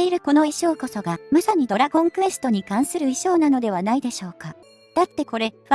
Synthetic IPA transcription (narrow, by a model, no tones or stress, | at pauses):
eiɾɯ̟ko̞no̞eɕo̞ːko̞so̞ɡamasaɲ̟id̪o̞ɾaɡõ̞ŋkɯ̟e̞sɨ̥t̪o̞ɲ̟ikãɰ̃sɨɾɯ̟iɕo̞ːnano̞d̪e̞β̞anaid̪e̞ɕo̞ːka | d̪̥at̪ːe̞ko̞ɾe̞